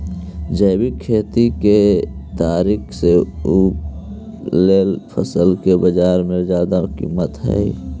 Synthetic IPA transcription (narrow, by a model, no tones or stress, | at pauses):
d͡ʒəɪbikʰːeːt̪iket̪aːɾiːkʰseup | leːlpʰəsəlkebəd͡ʒaːɾmẽd͡ʒaːd̪akḭmət̪ɦɛ̰